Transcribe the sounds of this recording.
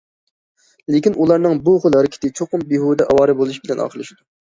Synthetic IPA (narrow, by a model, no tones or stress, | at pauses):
lekʲinʔulˠɑɾnɨŋbuχʊlˠɦɛɾɪkʲʰɪ̥t̪ɪt͡ʃʰoqʊmbiɦud̪ɛʔɑwɑːɾɨbolˠuʃbɪlɛnɑ̰ːqʰəlˠɨʃid̪u